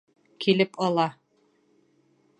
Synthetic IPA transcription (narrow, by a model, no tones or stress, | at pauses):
kilɘpʰɒlˠɑ